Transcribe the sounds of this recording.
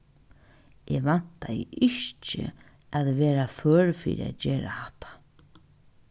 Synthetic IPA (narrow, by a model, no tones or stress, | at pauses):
ʔɛʋan̥t̪ajɪʔɪçt͡ʃɪ̰ | aðʋɛːɾafœːɹfḭːɾɪa̰ðd͡ʑeːɾahaht̪ḁ